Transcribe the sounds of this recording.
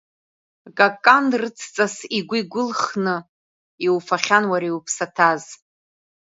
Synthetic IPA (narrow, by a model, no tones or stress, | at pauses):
ɡʼakʼandrɨt͡sʰt͡sʼasiɡʷʊɡʷʊlχnɨ | iwfaχʲanwaɾiupʰsatʰaz